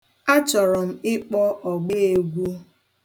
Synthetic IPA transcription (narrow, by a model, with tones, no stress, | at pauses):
a˦t͡ʃɔ˨ɾɔ˨m̩˦ɪ˦k͡pɔ˦ɔ˨ɡ͡be˦˨e˨ɡʷu˦